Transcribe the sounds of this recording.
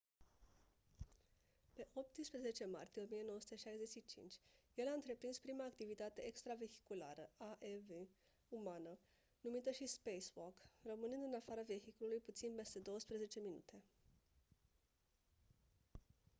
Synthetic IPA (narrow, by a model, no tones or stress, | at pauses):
pe̞ʔo̞p̚t̪ispɾeze̞t͡ʃe̞ma̰rt̪ije̞omije̞no̞wəsu̥t̪eʃajze̞t͡ʃʃit͡ʃḭnt͡ʃʲjelaɨnt̪ɾe̞pɾinspɾimaːkt̪ivit̪at̪e̞ekst̪ɾave̞çi̥kula̰ɾəaʔeve | umanə | numit̪əʃispejswokrəmɨnɨnd̪ɨnafaɾave̞çikolulujput̪sinpe̞st̪e̞d̪o̞wəspɾeze̞t͡ʃe̞minṵt̪e̞